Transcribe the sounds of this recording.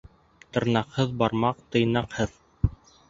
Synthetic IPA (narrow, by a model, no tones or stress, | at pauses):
t̪ɤ̆ɾnɑqhɤðbɑɾmɑq̚t̪ɤ̆jnɑqhɤð